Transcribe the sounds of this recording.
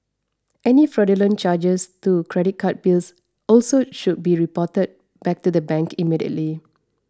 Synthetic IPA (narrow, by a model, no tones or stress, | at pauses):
ʔɛnifɹɔdələ̃nt͡ʃad͡ʒəstukʰɹɛɾit̚kʰat̚bils | ɔlsoʃud̚biɹipɔtəd̚ | b̥ɛk̚tudəbɛ̃ŋkimidiə̰tli